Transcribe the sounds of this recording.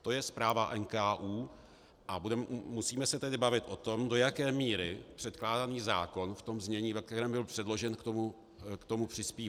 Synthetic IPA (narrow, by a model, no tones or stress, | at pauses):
t̪o̞jɛspɾaːvaʔɛnkaːʔuː | ʔabudɛmusiːmɛsɛt̪ɛdɪbavɪt̪ʔo̞t̪o̞mdo̞jakɛːmiːɾɪpr̝̥ɛt̪klaːdaniːza̰ːko̞nft̪o̞mzɲɛɲiːvɛk̚t̪ɛɾɛːmbɪlpr̝̥ɛdlo̞ʒɛnkt̪o̞mu | kt̪o̞mupr̝̥ɪspiː